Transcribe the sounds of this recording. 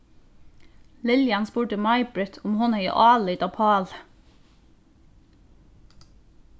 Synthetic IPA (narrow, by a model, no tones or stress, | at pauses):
lɪljɑnspuːʈəmɑɪbɹɪt̪ʰʊmhɔnhœʏə̰ʔɑːləiːt̪ɑːpʰɑːl